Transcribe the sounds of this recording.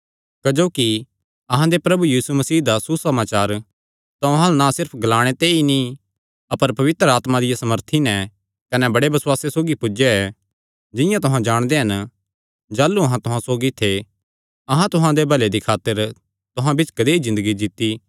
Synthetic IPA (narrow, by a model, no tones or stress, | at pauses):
kɐd͡ʒoːki | ɐɦãd̪epɾɐbujiːsumɐsiːd̪asusɐmaːt͡ʃaːɾ | t̪ãɐɦãnãsɪɾpʰɡɐlaːɽ̃et̪eːini | ɐpəɾpɐʋɪt̪ɾəaːt̪mad̪ɪjasɐməɾt̪ʰinɛ̃ | kɐnɛbɐɽebɐswaːsesoːɡipʊd͡ʒeɛ | d͡ʒɪ̃jãt̪ʊɦãd͡ʒaːɽ̃d̪eɦɐn | d͡ʒaːlːuɐɦãt̪ʊɦãsoːɡit̪ʰe | ɐɦãt̪ʊɦãd̪ebʱɐled̪ikʰaːt̪əɾ | t̪ʊɦãbɪt͡ʃkɐd̪eɦizɪ̃nd̪əɡid͡ʒ̪ɪt̪ːi